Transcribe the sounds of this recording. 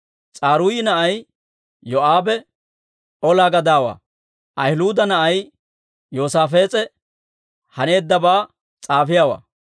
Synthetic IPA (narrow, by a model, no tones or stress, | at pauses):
t͡sʼaːɾuːjɪnɐʔɐj | jɔʔaːbɛ | ʔɔlaːɡɐd̪aːwa̰ː | ʔɐjluːd̪ɐnɐʔɐj | joːsaːfe̞ːt͡sʼɛ | hɐne̞ːd̪ːɐbaː | t͡sʼaːfɪjaːwa̰ː